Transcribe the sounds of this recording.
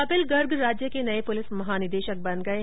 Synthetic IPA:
ɐpɪlɡɐɾɡɾaːd͡ʒjəkenɐepʊlɪsmɐɦaːnɪd̪eːʃək̚bɐnɡɐe

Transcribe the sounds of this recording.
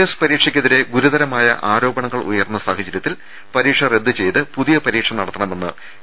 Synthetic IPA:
espɐɾiːkʂɐkʲːeðiɾe̞ɡuɾud̪ɐɾɐmaːjɐ̰ʔaːɾo̞ːbɐɳɐŋːɐɭṵjɐrnːɐsaːhɐd͡ʑːɐɾjɐt̪ːil | pɐɾiːkʂɐre̞d̪ːɨt͡ɕe̞jt̪ɨpuðijɐpɐɾiːkʂɐmnɐɽɐt̪ːɐɳɐmenːɨ̰

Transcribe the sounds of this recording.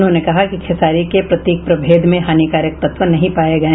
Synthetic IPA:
nɦõːnekɐɦakikʰesaːɾikepɾɐt̪iːk̚pɾɐbʱeːd̪mẽɦaːnikaːɾjək̚t̪ɐt̪ʋənɐɦĩpaːeɡɐẽ

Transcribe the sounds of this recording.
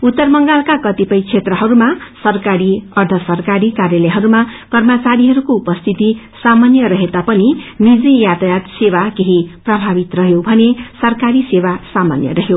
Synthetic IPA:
ut̪ːʌrmʌŋɡalkakʌt̪ipʌjt͡sʰet̪rʌɦʌɾumasʌrkaɾiʌrd̪ʱʌsʌrkaɾikaɾjeleɦʌɾumakʌrmʌt͡saɾiɦʌɾukoupʌst̪ʰit̪i | samanjʌɾʌɦet̪apʌninid͡zijat̪jat̪sewakeɦiprʌbʱabit̪rʌɦjobʱʌnesʌrkaɾisewasama̰njʌ̰rʌɦjo

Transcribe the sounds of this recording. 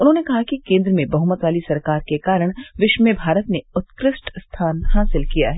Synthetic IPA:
ʊnɦõːnekɐɦakikẽːnd̪ɾəmẽbɐɦʊmət̪ʋaːlisɐɾkaːɾkekaːɾəɽ̃ʋɪʃmebʱaːɾət̪neʊt̪kɾɪsʈst̪ʰaːnhaːsɪlkijaɦɛː

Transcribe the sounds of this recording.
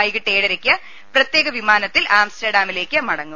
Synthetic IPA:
ɐjɣiʈːeːɽɐɾekʲːiɐ | prɐt̪jeːɣɐʋimaːnɐt̪ːilaːmstɐɖaːmile̞ːkːɨmɐɽɐŋːum

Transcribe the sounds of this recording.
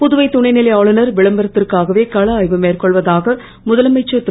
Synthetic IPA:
pʊðʊʋɐɪt̪ːʊɳɐɪnɪlɐɪaːɭɯnɐɾʋɪɭɐmbɐɾɐt̪ːɪrkaːɣɐʋeːkɐɭɐːjʋɯmeːrkɔɭʋɐðaːɣɐ | mʊðɐlɐmɐɪt͡ʃːɐt̪ː

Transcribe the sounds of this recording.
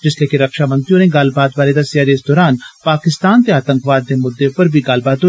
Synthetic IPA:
d͡ʒɪsleːkiɾɐkʃaːmə̃nt̪iõɾẽɡaːlbaːd̪baːled̪ɐsjaːɾeɪsd̪ɔːɾaːnpaːkɪst̪aːnt̪eaːt̪ə̃ŋkʰʋaːd̪̚ːemʊd̪ːepɐɾbʱiɡaːlbaːd̪o

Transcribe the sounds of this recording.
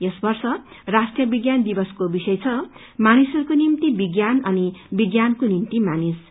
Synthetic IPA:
jesbʌrsʌ | rasʈrijʌbiɡjand̪ibʌskobisʌjt͡sʰʌ | manisʌɾukonimt̪ibiɡjanʌnibiɡjankonimt̪imanis

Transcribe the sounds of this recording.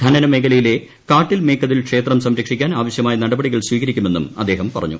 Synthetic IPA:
d̪ʱɐnɐnɐmeɡɐlɐjile̞ | kaːʈːilme̞ːkːɐðilkʂe̞ːt̪rɐmsɐmɾɐkʂikʲːaːnaːʋɐɕjɐmaːjɐnɐɽɐbɐɽiɣɐɭswiːɣɐɾikʲːume̞nːṵmɐ̰d̪ːe̞ːɦɐmpɐrɐ̰ɲːṵ

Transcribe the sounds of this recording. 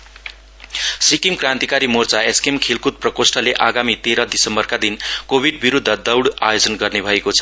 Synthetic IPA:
sikimkrãnt̪ikaɾimort͡saeskemkʰelkut̪̚prʌkosʈʌleʔaɡamit̪eɾʌd̪isʌmbʌrkad̪inkobʱiɖ̚biɾud̪ʱːʌd̪ʌwɽajod͡zʌnɡʌrnebʱʌekot͡sʰʌ̥

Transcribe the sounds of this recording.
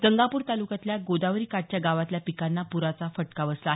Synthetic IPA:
d̪əŋɡapuːɾt̪alukat̪ljaɡod̪aʋɾiːkaʈ̚t͡ɕjaɡaʋat̪ljapikanːapuɾat͡safəʈkaʋəslaɦ

